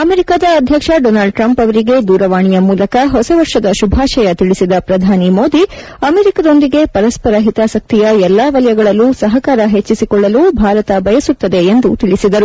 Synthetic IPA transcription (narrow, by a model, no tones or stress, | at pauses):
ɐmeːɾikaːd̪ɐːd̪ʱjɐkʂɐɖoːnaːlɖ̚ʈɾɐmpɐʋɐɾiɡe̞d̪uːɾɐʋaːɳijɐmuːlɐkɐɦɔsɐʋɐɾʂɐd̪ɐʃubʱaːʃɐjɐt̪iɭisid̪ɐpɾɐd̪ʱaːnimo̞ːd̪i | ɐmeːɾikɐd̪o̞nd̪iɡe̞pɐɾɐspɐɾɐɦit̪aːsɐk̚t̪ijɐɛlːaːʋɐlɐjɐɡɐɭɐlːusɐɦɐkaːɾɐɦe̞t͡ʃːisikɔɭːɐlubʱaːɾɐt̪ɐbɐjɐsut̪ːɐd̪e̞end̪ut̪iɭisid̪ɐɾu